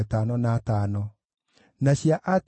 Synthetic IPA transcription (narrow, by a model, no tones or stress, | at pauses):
tanɔnaːtanɔ | naɕiaʔat